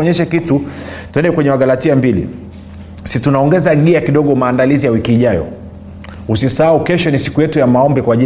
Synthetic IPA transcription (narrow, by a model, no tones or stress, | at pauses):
ɔɲɛʃakitutwɛndɛkwɛɲɛmaɠalatiambilḭ | situnaɔŋɡɛzaɠiakiɗɔɠɔmaːndalizijawikiːʄajɔ̰ | usisaaukɛʃɔnisi̥kujɛtujamaɔmbikwaːʄi